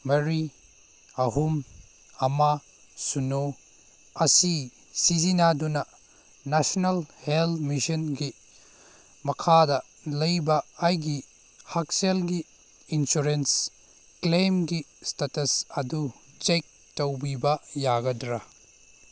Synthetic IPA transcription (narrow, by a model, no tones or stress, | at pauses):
mɐɾi | ɐɦum | ɐma | suno | ɐsi | sizinadunɐ | nasonalhelmisɐnɡi | mɐkʰadɐ | lɐjbɐːjɡi | hak̚selɡiː | nsuɾens | klemɡistatɐsɐdu | t͡ʃejk̚ | tɐwbibɐjaɡɐdɾɐ